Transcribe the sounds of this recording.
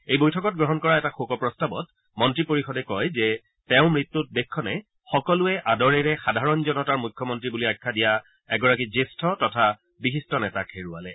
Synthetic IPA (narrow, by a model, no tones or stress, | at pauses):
ejbojtʰɔkɔt̚ɡɹɔɦɔnkɔɹaɛtaxokɔpɹɔstabɔ̰t | mɔntɹipoɹixɔdɛkɔjzɛ | tɛʊ̃mɹitːut̚dekʰːɔnɛ | xɔkɔlʊɛʔadɔɹɛɹɛxadʱaɹɔnzɔnɔtaɹmujkʰːɔmɔntɹibuliajkʰːadija | ɛɡɔɹak̬izestʰɔtɔtʰa | bixistɔnɛtakʰeɹua̰lɛ